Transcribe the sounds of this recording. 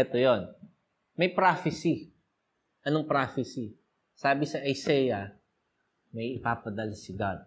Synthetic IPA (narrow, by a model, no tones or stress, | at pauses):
ɛt̪ojon | mɐjpɾaːfɪsi | ʔɐnoŋpɾaːfɪsi | saːbɪsɐʔɐjsɛːjɐ | mɐjɪpaːpɐd̪ɐlsɪɡad̪̚